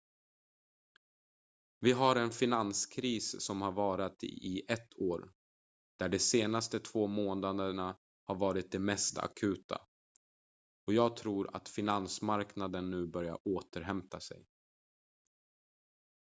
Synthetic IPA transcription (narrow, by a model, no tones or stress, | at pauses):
vɪɦaɾɛnfɪnanskʰɾiːssɔmhaɾvɑːɾat̪ɪʔɛt̪ʰːoːɾ | d̪̥æɖɛseːnast̪ət̪ʰv̥oːmoːnad̪əɳa | haɾvɑːɾɪt̪̚d̪ɛmɛst̪a̰kʰʉ̟ːt̪ʰa̰ | ɔjɑːɡ̚t̪ʰɾuːɾa̰t̪fɪnansmaɾknad̪ənːʉ̟ːbœɾja̰ɾoːt̪əɾɦɛmt̪asɛ̰j